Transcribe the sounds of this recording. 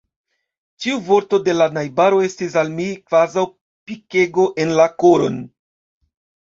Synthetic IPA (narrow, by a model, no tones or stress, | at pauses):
t͡ʃiuvo̞ɾto̞de̞lanajbaɾo̞e̞stis̬almikvazaw | pike̞ɡo̞ʔe̞nlako̞ɾo̞̰n